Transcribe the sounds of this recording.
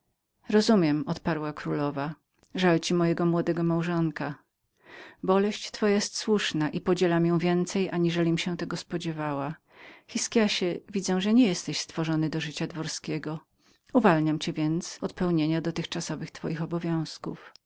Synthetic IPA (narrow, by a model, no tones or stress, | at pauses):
ɾɔzumʲjɛmɔt̪paɾwakɾulɔva | ʐalt͡ɕimɔjɛɡɔmwɔd̪ɛɡɔmawʐɔŋka | bɔlɛɕt͡ɕt̪fɔjajɛst̪swuʂnaʔipɔd͡ʑɛlamjɔ̃w̃vʲjɛnt̪sɛjʔaɲiʐɛlʲimɕɛw̃t̪ɛɡɔspɔd͡ʑɛvawa | xʲiskʲjaɕɛvʲid̪zɛw̃ʐɛɲɛjɛst̪ɛɕst̪fɔʐɔnɘd̪ɔʐɘt͡ɕad̪vɔɾskʲɛɡɔ | uvalɲamt͡ɕɛvʲjɛnt̪sɔt̪̚pɛwɲeɲad̪ɔt̪ɘxt͡ʂasɔvɘxt̪fɔ̰jixɔbɔvʲjɔ̃w̃skṵf